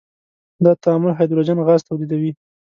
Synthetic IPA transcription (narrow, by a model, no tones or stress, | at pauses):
d̪ɑt̪aːmʊlɦɑjd̪ulod͡ʒɑnɣɑzt̪awlid̪awi